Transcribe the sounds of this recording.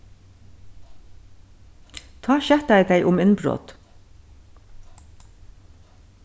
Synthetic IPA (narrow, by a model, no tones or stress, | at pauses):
t̪ʰɑːʃɛt̪æɪd̪eɪʔʊmɪnbɾo̰ːt̪